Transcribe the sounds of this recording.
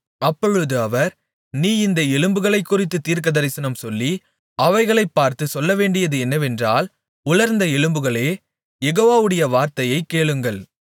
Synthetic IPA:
ɐpːɔɻɯðɯɐʋɐɾ | niːɪnd̪ɐɛɻɯmbɯɣɐɭɐɪkːʊrɪt̪ːɯt̪ːiːɾkɐðɐɾɪsɐnɐmsɔlːi | ɐʋɐɪɣɐɭɐɪpːaːɾt̪ɯsɔlːɐʋeːɳɖɪjɐðɯɛnːɐʋɛndraːl | ʊɭɐɾnd̪ɐɛɻɯmbɯɣɐɭeː | jɛɣoːʋaːʋɯɽɐjɐʋaːɾt̪ɐjɐɪkːeːɭɯŋɡɐɭ

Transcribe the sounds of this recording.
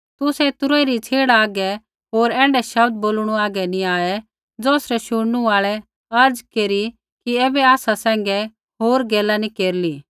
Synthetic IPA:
t̪ʊsɛt̪ʊɾoːiɾit͡sʰeːɽaaːɡɛ | ɦoːɾɛ̃ːɳɖɛʃɐbd̪̚boːlɽ̃uaːɡɛniaːɛ | d͡zɔːsɾɛʃʊɽnuaːɭɛ | ɐɾd͡zkeːɾi | kiɛːbɛaːsasɛ̃ːŋɡɛ | ɦoːɾɡɛːlanikeːɾliː

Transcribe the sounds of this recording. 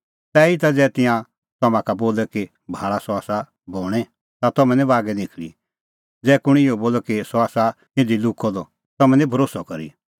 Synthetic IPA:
t̪ɛit̪ad͡zɛːt̪ɪ̃jã | t̪ɐmãkaboːlɛki | bʱaːɭasɔaːsa | bɔːɽ̃ɛ | t̪at̪ɔmɛ̃nĩbaːɡɛnɪkʰlḭ | d͡zɛːkʊɽ̃ɪɔboːlɔkisɔaːsa | ɪ̃nd̪ilʊkʰːɔd̪ɔ | t̪ɔmɛ̃nĩbʱɐɾoːsɔkɐɾḭ

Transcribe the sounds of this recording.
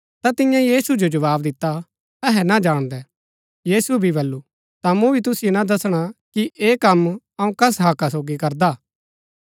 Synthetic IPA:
t̪at̪ɪ̃jãjiːsud͡ʒod͡ʒɐʋaːbd̪ɪt̪ːa | ɛɦɛnad͡ʒaːɽ̃d̪ɛ | jiːsubʱibɐlːu | t̪amũbʱit̪̬ʊsɪjonad̪ɐsɽ̃akiʔeːkɐm | ɐũkɐs̬ɦaːkasoːɡikɐɾd̪aː

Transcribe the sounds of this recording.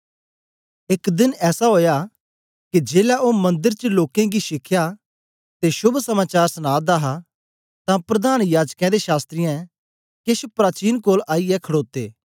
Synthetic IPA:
ɪkd̪ɪnɛːsaɦoːja | kid͡ʒeːlaʔomɐ̃nd̪əɾt͡ʃəloːkẽɡiʃɪkʰja | t̪eʃʊbʱsɐmaːt͡ʃaːɾsənaːd̪aɦa | t̪ãpɾɐd̪aːnjaːd͡ʒkɛ̃d̪eʃaːst̪ɾɪjã | kɪʃpɾaːt͡ʃiːnkoːlaːijɛkʰɐɽoːt̪ːeː

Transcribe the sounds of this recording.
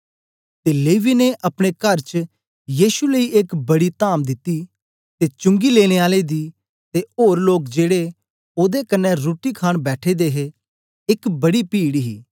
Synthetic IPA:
t̪eːleːʋineʔɐpɽ̃ekɐɾt͡ʃ | jiːʃuləiʔɪkbɐɽit̪aːmd̪ɪt̪ːi | t̪et͡ʃʊ̃ŋɡileːɽ̃eaːled̪iː | t̪eoːɾloːkd͡ʒeːɽe | oːd̪ekɐnːɛɾoːʈikʰaːɽbɛːʈʰed̪eːɦe | ɪkbɐɽipiːɽiɦiː

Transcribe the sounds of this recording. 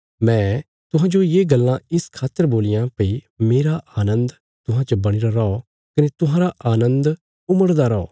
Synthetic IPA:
mɛ̃ː | t̪ʊɦãːd͡ʒojeːɡɐlːãɪskʰaːt̪ːəɾboːlɪjãpɐi | meːɾaʔaːnə̃nd̪ | t̪ʊɦãt͡ʃɐbɐɽ̃iɾaɾɔ | kɐnet̪ʊɦãːɾaʔaːnə̃nd̪ | ʊməɽd̪aɾɔɔː

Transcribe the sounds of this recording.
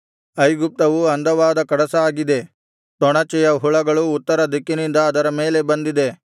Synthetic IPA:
ɐjɡup̚t̪ɐʋuɐnd̪ɐʋaːd̪ɐkɐɽɐsɐaːɡid̪e̞ | t̪ɔɳɐt͡ʃɛjɐɦuɭɐɡɐɭuːt̪ːɐɾɐd̪ikːinind̪ɐːd̪ɐɾɐmeːle̞bɐnd̪id̪e̞

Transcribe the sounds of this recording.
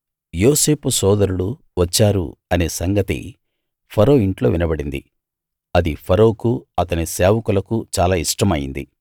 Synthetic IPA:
joːse̞ːpusɔːd̪ɐɾuɽu | ʋɐt͡ʃːaːɾṵɐne̞ːsɐŋɡɐt̪ḭ | pʰɐɾoːiɳʈlo̞ːʋinɐbɐɽind̪ḭ | ɐd̪ipʰɐɾoːkuɐt̪ɐniseːʋɐkulɐkut͡ʃaːlaːiʂʈɐmɐjḭnd̪ḭ

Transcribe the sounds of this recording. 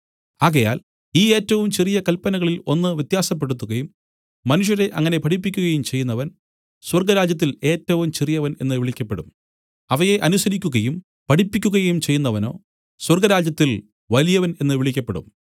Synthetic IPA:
aːɣɐjaːl | iːe̞ːtːɐʋumt͡ɕerijɐkɐlpːɐnɐɣɐɭilo̞nːɨʋjɐt̪jaːsɐp̬ːe̞ɽut̪ːuɣɐjumː | ɐnuʂ̬jɐɾe̞ʔɐŋːɐne̞pɐʈip̬ːikʲːuɣɐjumt͡ɕe̞jːunːɐʋɐn | swɐrɡɐɾaːd͡ʑjɐt̪̬ːile̞ːtːɐʋumt͡ɕirijɐʋɐne̞nːɨʋiɭikʲːɐpːeɽum | ɐʋɐje̞ʔɐnusɐɾikʲːuɣɐjum | pɐʈipːikʲːuɣɐjɐjumt͡ɕe̞jːunːɐʋɐno̞̰ː | swɐrɡɐɾaːd͡ʑjɐt̪ːil | ʋɐlijɐʋɐne̞nːɨʋiɭikʲːɐpːeɽṵm

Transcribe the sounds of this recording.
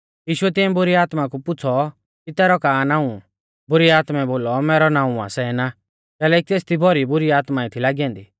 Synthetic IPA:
jiːʃʊɛt̪ɪ̃ɛ̃bʊɾiaːt̪makupʊt͡sʰɔ | kit̪ɛːɾɔkaːnaːũ | bʊɾiaːt̪mɛboːlɔmɛːɾɔnãːũa̰sɛna | kɛːlɛkit̪eːst̪ʰibʱɔɾibʊɾiaːt̪maɪt̪ʰilaːɡiɛ̃ːnd̪iː

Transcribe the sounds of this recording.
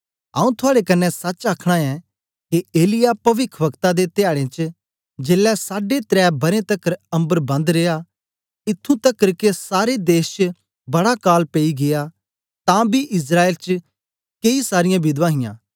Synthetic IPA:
ɐũt̪ʰʊaːɽekɐnːɛsɐt͡ʃaːkʰɽ̃aɛ | keeːlɪjapɐʋɪkʰʋəkt̪ad̪et̪ɪjaːɽẽt͡ʃ | d͡ʒeːlɛsaːɖet̪ɾɛːbɐɾẽt̪ɐkːəɾɐ̃mbəɾbɐ̃nd̪ɾeːa | ɪt̪ʰːũt̪ɐkːəɾkesaːɾed̪eːst͡ʃ | bɐɽakaːlpeiɡɪja | t̪ãbiʔɪs̬ɾaːeːlt͡ʃ | keisaːɾɪjãbɪd̪ʋãːɦɪjã̰ː

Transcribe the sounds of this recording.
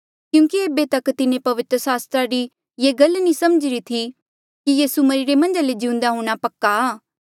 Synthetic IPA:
kjũːkieːbet̪ɐkt̪ɪnẽpɐʋɪt̪ɾəsaːst̪ɾaɾi | jeːɡɐlnĩsɐməd͡ʒɪɾit̪ʰi | kijiːsumɐɾiːɾemɐ̃nd͡ʒaled͡ʒɪʊ̃nd̪aɦũːɽ̃apɐkːaː

